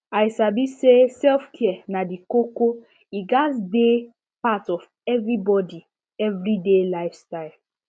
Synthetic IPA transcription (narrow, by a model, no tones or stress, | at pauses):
ajsabisesɛlfkʰiɛnadikoko | iɡasde | patɔv | ɛvɹibɔdi | ɛvɹidelaɪfstaɪl